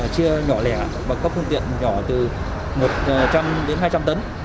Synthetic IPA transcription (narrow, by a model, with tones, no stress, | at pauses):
t͡ɕi˧əɲɔ˧˩lɛ˧˩ | vaː˨˩kɔ˨˦fɨ˧əŋt̪ḭ˧˨ənɲɔ˧˩t̪ɨ˨˩ | mo˨˩t̚t͡ɕa˧mɗe˨˦nɦaː˧jt͡ɕa˧mt̪ə˨˦n